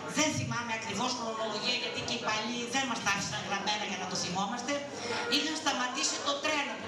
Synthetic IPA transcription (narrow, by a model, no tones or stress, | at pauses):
ðenθimameɐkɾivoskɾomoloʝiɐʝɐt̪icepaʎiðenmɐst̪ɐ̥sɐŋɣɾɐmenɐʝɐnɐt̪oθimomɐst̪e | iðeɐst̪ɐmɐt̪iset̪ot̪ɾeno